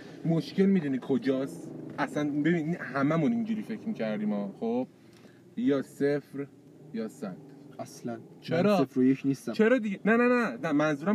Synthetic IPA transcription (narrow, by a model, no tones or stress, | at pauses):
moʃcʰe̞lmiːd̪unikʰo̞d͡ʒɒːsʔæsænbe̞binihæmæmunind͡ʒuɾiːfe̞cʰmiːcʰæɾd̪iːmɒːxob̥̚ | jɒːsefɾ | jɒːsæd̪̥æslænt͡ʃʰeɾɒːefɾojekʰnist̪æt͡ʃʰeɾɒːd̪iɟenænænænæmænzuːɾæ